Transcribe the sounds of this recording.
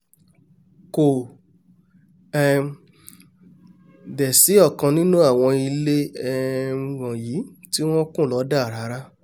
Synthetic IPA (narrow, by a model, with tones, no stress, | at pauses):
ko˨ | ɛ˦ | dɛ˨si˨˦ɔ˦˨kã˧nĩ˦nũ˦a˦˨w̃ɔ̃˧i˧le˦ɛ˧wɔ̃˨ji˨˦ti˦w̃ɔ̃˦kũ˦˨lɔ˨˦da˦˨ɾa˨˦ɾa˦